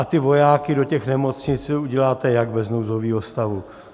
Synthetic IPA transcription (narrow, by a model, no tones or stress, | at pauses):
at̪ɪvo̞jaːkɪdo̞cɛxnɛmo̞t͡sɲɪt͡suɟɛlaːt̪ɛjaɡbɛznowzoviːɦost̪avu